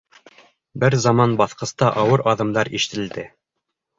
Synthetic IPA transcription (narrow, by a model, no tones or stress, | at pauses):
bɘɾzɑmɑnbɑθqɤ̆st̪ɑʔɑwɤɾʔɑðɤ̆md̪ɑɾiʃɘ̥̆t̪ɘ̆ld̪ɘ